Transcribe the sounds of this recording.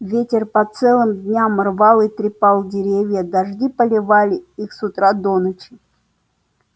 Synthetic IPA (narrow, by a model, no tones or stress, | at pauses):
vʲetʲɪrpɐt̪sɛlˠɨmd̪ʲnʲamrvalˠɨt̪ɾʲɪpalˠdʲɪɾʲevʲjəd̪ɐʐdʲipəlʲɪvalʲɪixsʊt̪ɾad̪onət͡ɕɪ